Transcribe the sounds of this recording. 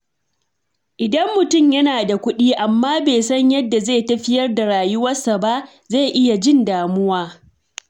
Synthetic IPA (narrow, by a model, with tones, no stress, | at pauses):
ʔɪ˨dɐ˦mːʊ˨tʊ˦˨mjɐ˦naː˨da˨kʷʊ˦ɗiː˦ʔa˨mːaː˦beː˨sɐ˦ɲjɐ˦dːa˨zeː˦˨tɐ˦ɸɪ˦jɐ˦rda˨ɾaː˨jʊ˦wɐ˦sa˨ba˦ʔ | ze˦˨ʔɪ˦ja˨d͡ʒɪ˦ndaː˨mʊ˦waː˦